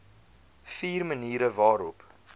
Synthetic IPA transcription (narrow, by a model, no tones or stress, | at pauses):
fiːrməniːɾəvɑːɾɔp